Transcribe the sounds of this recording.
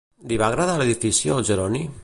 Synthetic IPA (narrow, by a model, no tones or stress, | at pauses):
d̪iβaɣɾaðaleðifisjolʒeɾɔni